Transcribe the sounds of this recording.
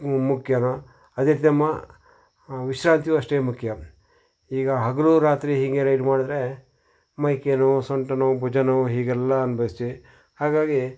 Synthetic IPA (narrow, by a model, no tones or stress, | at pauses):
mukʰjɐnɐ | ɐd̪iɾt̪̬jɐmːɐ | ʋiʃɾaːnt̪ijuɐʂʈeːmukʰjɐ | iːɡɐɦɐɡɐluɾaːt̪ɾiɦiŋɡeɾɐjɖmaːɽid̪ɾe | mɐjkenusoɳʈɐnubʱud͡ʒɐnuɦiːɡɛlːɐːnubʱɐst̪i | haːɡaːɡi